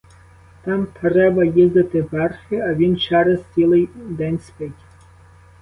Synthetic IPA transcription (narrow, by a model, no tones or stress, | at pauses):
t̪ɑmt̪ɾɛbɐjizd̪ɪt̪ɪʋɛrxɪɐʋʲint͡ʃɛɾɐst͡sʲilˠɪjd̪ɛnʲspɪtʲ